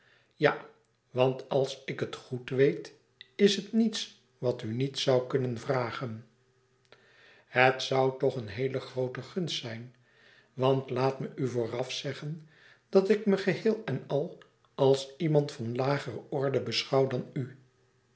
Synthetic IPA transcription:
ja | ʋɑntɑlˠsɪkətχutʋejt | ɪsɦətnits | ʋɑtynitsʌwkɵnənvraːχən | hətsʌwtɔχənɦejləχrowtəχɵnstsɛjn | ʋɑntlaːtməʔyvoːrɑfsɛχən | d̥ɑtɪkməχəɦɪːlˠɛnɑlˠ | ɑlˠsimɑntfɑnlaːχərəɔɹdəbəsχɑwdɑny

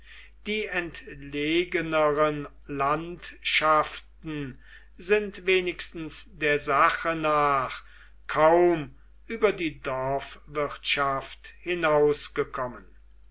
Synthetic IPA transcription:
d̥iːɛntleːɡənəʁən | lantʃaftn̩ | zɪntveːnɪkstn̩sdeːɐzaχənaːχ | kʰaʊm | ʔyːbɐdiːdɔɐfvɪtʃafthɪnaʊsɡ̥əkʰɔmən

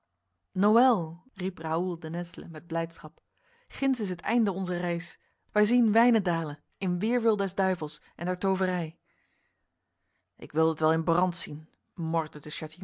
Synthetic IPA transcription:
nowɛlˠ | ripraːulˠdənɛslə̰mɛd̚blɛjtsχɑp | χɪnsɪs̬ətɛ̰jndəɔnzərɛjs | ʋɛjzinʋɛjnədaːlən | ɪnʋɪːɹʋɪlˠdɛzdœɥvəlˠsʔɛ̰ndɛːɹtowvərɛj | ʔɪ̰kʋɪlˠdətʋɛlˠɪnbrɑntsin | mɔɹdədəʃati

